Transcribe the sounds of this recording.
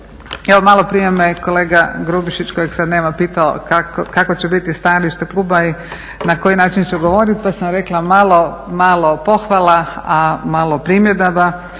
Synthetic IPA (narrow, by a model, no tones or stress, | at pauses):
eʋomalo̞pɾijemeko̞leːɡaɡɾubiʃit͡ɕkojeɡsad̪neːmapiːt̪ao̰kakkakot͡ɕebit̪ist̪aliʃt̪aklˠuːbai | nakojinaːt͡ʃint͡ʃuɡoʋo̞ːɾit̪pasamɾeklamaːlˠo̞maːlopo̞xʋalaamalˠo̞pɾimjed̪aba